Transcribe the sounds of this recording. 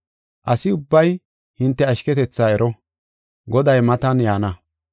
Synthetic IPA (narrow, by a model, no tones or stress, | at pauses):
ʔɐsɪʊbːɐj | hɪnt̪ːɛɐʃkɛt̪ɛt͡sːaːɛɾʔɔ | ɡɔd̪ɐjmɐt̪ɐnjaːnɐ